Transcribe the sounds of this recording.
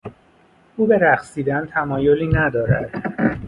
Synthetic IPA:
ʔuːbe̞ɾæχsiːd̪ænt̪ʰæmɒːjo̞liːnæd̪ɒːɾæ̰d̪̥

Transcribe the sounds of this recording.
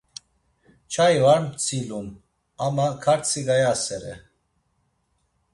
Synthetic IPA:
t͡ʃʰajvaɾmt͡sʰilum | amakʰaɾt͡sʰiɡajasɛɾɛ̰

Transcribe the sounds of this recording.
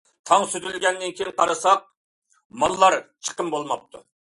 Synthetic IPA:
t̪ʰɑŋsyd̪ylɡʲɛnːɪnkʲʰejŋqʰɑɾɑsɑq̚ | mɑlˠːɑɾt͡ʃʰə̥qəmbolˠmɑp̚t̪ʰu

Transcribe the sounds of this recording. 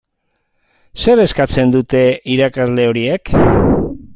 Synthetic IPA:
se̞ɾe̞skat͡se̞nd̪ut̪e̞iɾakazle̞o̞ɾie̞k

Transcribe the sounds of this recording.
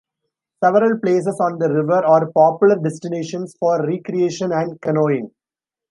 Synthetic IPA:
sɛʋəɾəlpleːs̬əsɔ̃ːnd̪əɾɪʋəɾaːɾpɔːpjʊləɾɖɛsʈɪneːʃə̃nsfɔːɾːiːkɾieːʃə̃næ̃ɳɖkɐnoːɪ̃ŋ

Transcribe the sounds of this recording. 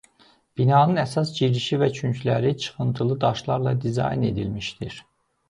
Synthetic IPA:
b̥inɑːnɯnæsɑsd͡ʒiɾiʃivæt͡ʃʰyɲclæɾit͡ʃʰɯ̥χɯnt̪ʰɯlˠɯd̪ɑʃlˠɑɾlˠɑd̪izɑ̰jne̞̰d̪ilmiʃd̪iɾ

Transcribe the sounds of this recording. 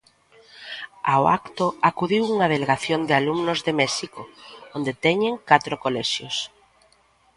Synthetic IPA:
awa̰kt̪oakuðiwuŋað̞eleɣaθjond̪ɪalumnʊzðemɛʃikoond̪et̪ɛɲeŋkat̪ɾokolɛʃjos

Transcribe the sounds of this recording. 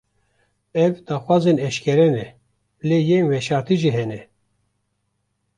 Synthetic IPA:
ɛvd̪aːxwɑːzenɛʃkʰɛɾɛnɛ | lejeːnwɛʃɑːɾt̪iʒiɦɛnɛ

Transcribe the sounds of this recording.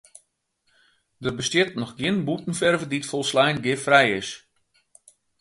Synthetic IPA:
dərbəstjɪtnɔxɡɪənbutn̩fɛrvəditfɔlˠslɛjnɡɪfrɛjɪs

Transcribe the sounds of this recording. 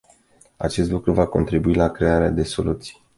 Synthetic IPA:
a̰t͡ʃe̞st̪lukɾuvako̞̰nt̪ɾibuilakɾe̞aɾead̪e̞so̞lut̪si̥j

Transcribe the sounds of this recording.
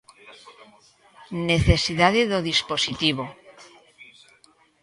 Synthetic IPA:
neθesiðaðeðoðisposit̪iβo

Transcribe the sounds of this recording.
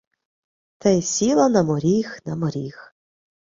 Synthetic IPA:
t̪ɛjsʲilˠɐnɐmɔɾʲixnɐmɔɾʲix

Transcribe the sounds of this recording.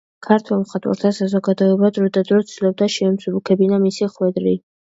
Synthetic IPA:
kʰaɾt̪ʰwɛlˠmχat̪ʼwa̰ɾt̪ʰasazɔɡad̪ɔɛbad̪ɾɔd̪ad̪ɾɔt̪silɔb̚d̪aʃɛmsubukʰɛbinamisiχwɛd̪ɾi

